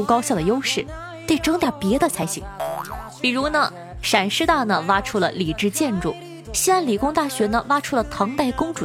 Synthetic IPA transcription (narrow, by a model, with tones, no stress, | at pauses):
u˥kɑ˥ʊɕjɑ˥˩d̪ə˩jo˥ʊʂɻ̩˥˩ | t̪e˥˩ɪʈ͡ʂɤ˥ŋt̪a˥˩pjɛ˧˥d̪ə˧t͡sʰa˧˥ɪɕḭ˧˥ŋpi˨˩ɻu˧˥nə˧ | ʂa˨˩nʂɻ̩˥˧t̪a˥˩nə˩wa˥ʈ͡ʂʰu˥lə̰˨li˨˩ʈ͡ʂɻ̩˥˧t͡ɕjɛ˥˧nʈ͡ʂu˥˩ | ɕi˥a˥˩nli˨˩kʊ˥ŋt̪a˥˩ɕɥɛ˧˥nə˧wa˥ʈ͡ʂʰu˥lə˨t̪ʰɑ˧˥ŋt̪a˥˩ɪkʊ˥ŋʈ͡ʂu˨˩